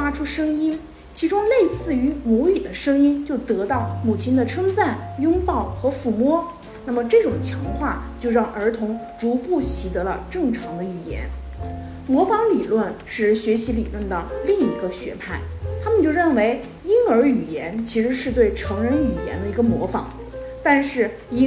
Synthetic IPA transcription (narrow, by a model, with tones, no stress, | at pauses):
fa˥ʈ͡ʂʰu˥ʂɤ˥ŋi˥n | t͡ɕʰi˧˥ʈ͡ʂʊ˥ŋle˥˧ɪsɹ̩˥˩y˧˥mwɔ˧˥y˨˩d̪ə˦ʂɤ˥ŋi˥nt͡ɕjo˥˩ʊt̪ɤ˧˥t̪ɑ˥˩ʊmu˨˩t͡ɕʰi˥nd̪ə˨ʈ͡ʂʰɤ˥ŋt͡sa˥˩njʊ˥ŋpɑ˥˩ʊxɤ˧˥fu˥˩mwɔ˥ | na˥˩mə˩ʈ͡ʂɤ˥˩ʈ͡ʂʊ˨˩ŋt͡ɕʰjɑ˧˥ŋxwa˥˩t͡ɕjo˥˧ʊɻɑ˥˩ŋʔə˞˧˥t̪ʰʊ˧˥ŋ | ʈ͡ʂu˧˥pu˥˩ɕi˧˥t̪ɤ˧˥lə̰˧ʈ͡ʂɤ˥˩ŋʈ͡ʂʰɑ˧˥ŋd̪ə˧y˨˩jɛ̰˧˥n | mwɔ˧˥fɑ˧˥ŋli˨˩lwə˥˧nʂɻ̩˥˩ɕɥɛ˧˥ɕi˧˥li˨˩lwə˥˩nd̪ə˩li˥˩ŋi˧˥ɡə˧ɕɥɛ̰˧˥pʰa˥˩ɪt̪ʰa˥mə˨nt͡ɕjo˥˧ɻə˥˩nwe˧˥ɪ | i˥nə˞˧˥y˨˩jɛ˧˥nt͡ɕʰi˧˥ʂɻ̩˧˥ʂɻ̩˥˧t̪we˥˩ɪʈ͡ʂʰɑ˧˥ŋɻə˧˥ny˨˩jɛ̰˧˥nd̪ə˧i˧˥ɡə˧mwɔ˧˥fɑ̰˧˥˦ŋ | t̪a˥˧nʂɻ̩˥˩ | i˥